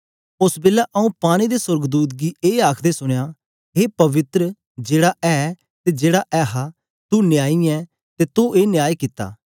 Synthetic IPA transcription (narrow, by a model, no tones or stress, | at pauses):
ʊsbɪlːaʔɐũːpaːɽ̃id̪esʊɾɡd̪uːt̪̬̚ɡieːaːkʰd̪esʊɽ̃jaː | ɦeːpɐʋɪt̪ɾə | d͡ʒeːɽaʔɛː | t̪ed͡ʒeːɽaʔɛːɦa | t̪uːnjaːiɛː | t̪eːt̪ʊ̃eːnɪjaːjkɪt̪ːa̰ː